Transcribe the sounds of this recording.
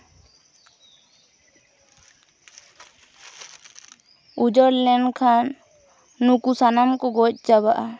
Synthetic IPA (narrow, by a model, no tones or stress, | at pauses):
ud͡ʒəɾlɛnkʰanː | ukusanamkɔɡɔc̚ˀt͡ʃaβaʔa